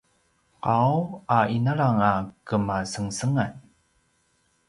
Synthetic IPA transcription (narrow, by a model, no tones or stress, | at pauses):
qawainaɭaŋakəmasəŋsəŋaj